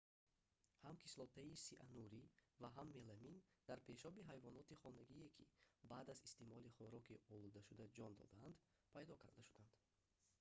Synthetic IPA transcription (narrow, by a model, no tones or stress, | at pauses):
hamkʰislɔt̪ʰaisiʔa̰nuɾivaɦamːe̞lamind̪̥aɾpʰe̞ʃɔbiɦajvɔnɔt̪iχɔnaɡiekʰḭbaːd̪azist̪emɔliχɔɾɔkiɔlud̪aʃud̪ad͡ʒɔnd̪ɔ̰d̪aand̪ | pʰajd̪ɔkʰaɾd̪aʃud̪and̪̥